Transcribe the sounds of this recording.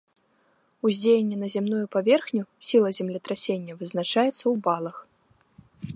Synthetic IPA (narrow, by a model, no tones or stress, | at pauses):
uzʲd͡zʲejenʲːɛnɐzʲɛmnujupavʲɛrxnʲusʲilˠɐzʲɛmlʲɐt̪ɾasʲenʲːɐvɨznat͡ʂajɛt̪sːɐwbalˠɐx